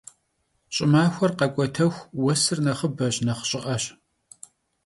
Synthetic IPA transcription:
ɕʼɪmaːxʷɔrqɐkʷʼɔtʰɐxʷwɔsɨrnɐχəbɐɕnɐχɕʼɪʔɐɕ

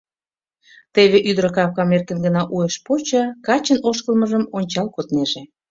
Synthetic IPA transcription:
t̪eβeʔyd̪ɾəkɑpkɑmerkənɡənɑʔujeʃpot͡ɕɑkɑt͡ɕənoʃkəlmə̆ʒəmonʲt͡ɕɑlkot̪neʒe

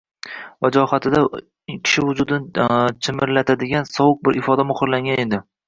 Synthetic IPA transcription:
vad͡ʒɒhat̪ʰɪd̪a | kʲʰɪ̥ʃɪvʊd͡ʒʊd̪ɪnt͡ʃʰɪmɪɾlat̪ʰad̪ɪɡʲansɒwʊk̚bɪɾɪfɒd̪amʊχʊɾlaŋɡʲane̞d̪ɪ

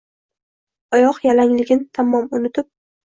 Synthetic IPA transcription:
ɒjɒqjalaŋlɪɡʲɪnt̪ʰamɒmʊnɪt̪ʰɪp̚

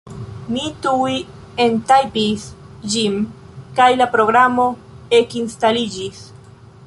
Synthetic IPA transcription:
mitui | entajpis | d͡ʒim | kajlapɾo̞ɡɾamo̞e̞kinstalid͡ʒis

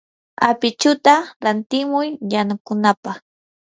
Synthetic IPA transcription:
a̰pɪt͡ʃʊt̪aɾant̪ɪmʊjjanʊkʊnapaχ

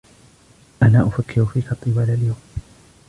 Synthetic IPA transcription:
ʔanaːʔʊfakːɪɾʊfiːkɑt̪ˤːɨwaːlaljawm

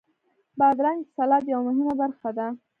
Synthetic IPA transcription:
bɑd̪ɾɑnsalɑd̪jawmʊɦimabaɾxad̪a

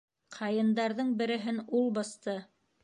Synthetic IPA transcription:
qʰɑjɤ̆nd̪ɑɾðɤɴbɘ̆ɾɘ̆ɦɘnulˠbɑst̪ɤ

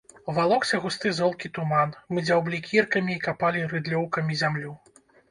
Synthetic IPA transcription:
valˠɔksʲɐɣust̪ɨzɔlˠkʲit̪umanmɨd͡zʲawblʲikʲirkɐmʲiːkapalʲiɾɨd̪lʲɔwkɐmʲizʲamlʲu

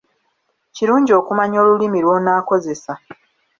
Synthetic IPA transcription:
ciɾuːɲɟo̞ːkumaɲo̞ːlulimilwo̞ːnaːko̞ze̞sa

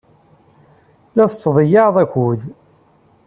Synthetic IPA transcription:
læθət͡sːðˤəjɑðˤæçuð

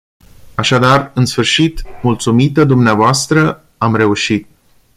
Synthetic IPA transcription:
aʃad̪arɨnsfɨrʃit̪mult̪sumit̪əd̪umneavoast̪ɾə | amre̞uʃit̪̚

